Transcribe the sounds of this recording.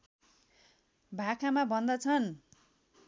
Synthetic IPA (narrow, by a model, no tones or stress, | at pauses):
bʱakʰamabʱʌnd̪ʌt͡sʰʌn